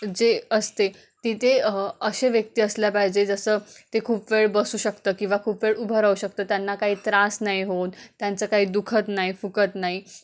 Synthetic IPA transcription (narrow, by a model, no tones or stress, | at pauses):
d͡zeəst̪e | t̪it̪eəɕeʋjək̚t̪iːəsljapaɦid͡ʑed͡zəsəːt̪ekʰuːpʋeɭbəsuːɕəkt̪əːkĩw̃ʋakʰuːpʋeɭubʱəɾauɕək̚t̪əːt̪janːakaɦiːt̪ɾasnaɦiɦot̪t̪ːjãnt͡səkaɦiːd̪ukʰət̪naɦifukət̪naɦiː